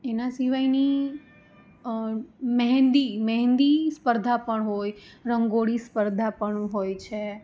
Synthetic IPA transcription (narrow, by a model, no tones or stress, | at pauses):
enasiʋajni | mɛɦɛ̃nd̪imɛɦɛ̃nd̪ispəɾd̪ʱapəɳɦojɾəŋɡoɽispəɾd̪ʱapəɳɦojt͡ʃʰe